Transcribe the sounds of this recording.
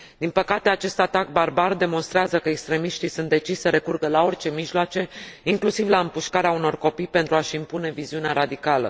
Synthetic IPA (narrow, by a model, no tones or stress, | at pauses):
d̪̥inpəkat̪e̞at͡ʃe̞st̪at̪ak̚barbard̪e̞mo̞nst̪ɾeazəkəekst̪ɾe̞miʃt̪isunt̪d̪e̞t͡ʃiʃʲsəɾe̞kurɡəlao̞rʲt͡ʃe̞miʒlwat͡ʃe̞iŋklusivlaɨmpuʃkaɾeauno̞rko̞pijpe̞nt̪ɾuaʃimpune̞viziuneaɾad̪ikalə̰